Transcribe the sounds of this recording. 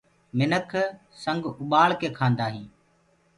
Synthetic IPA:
mɪnəkʰ | sə̃ŋɡʊɓaːɭkeːkʰãːnd̪aːɦĩː

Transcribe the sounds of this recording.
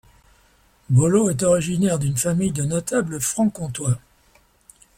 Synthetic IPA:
bɔloɛt̪ɔʁiʒinɛʁd̪ynfamijd̪ənɔt̪abləfχɑ̃kɔ̃t̪wa

